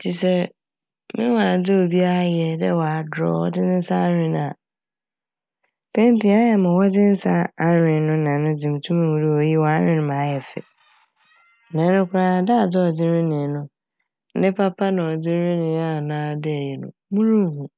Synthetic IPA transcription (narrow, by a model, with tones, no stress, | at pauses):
d͡ʑʰi˨sɛ˦ | mɪ̃˦wã˨˦d͡zɪ˦o˨bi˦a˦ɾa˦jɛ˨dɛ˦wɔ˨a˨dɾɔ̰˦˨wɔ̰˦dɪ˦nɪ̃˦n̩˦sa˦a˦ɾɪ̃˦ñ˦a˨ | pʰɛ̃˦m˦pi˨a˦jɛ˨mã˨wɔ˦dɪ̃˦n̩˦sa˦a˦ɾᶣɪ̃˨nʊ̃˦nã˨nʊ̃˦d͡zɪ̃˨m˨tʰũ˦mã˨wu˨ɾi˦ɔ˨ji˦wɔ˨a˦ɾɪ̃˦nʊ̃˦mã˨˦jɛ˨sɪ̰˨ | nɛ̃˨˦nʊ̃˦kʰʊ˦ɾã˦˨da˦a˨dɪ˦ɔ˨dɪ˦ɾɪ̃˦nɪ̃˨˦nʊ̃˦ | nɪ̃˦pʰa˦pʰa˦nã˨ɔ˨d͡zɪ˦ɾɪ̃˦nɪ̃˨˦a˦˨nãː˦dɛ˦˨jɛ˨nʊ̰̃˨mũ˦ɾũ˦˨hũ˨